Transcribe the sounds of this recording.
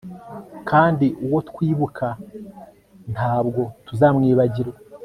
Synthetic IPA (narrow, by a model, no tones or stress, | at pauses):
kʰaːndiʔuwo̞tkwiːβukʰa | nhaːbɡo̞tuzaːmŋiːβaɟiɾwe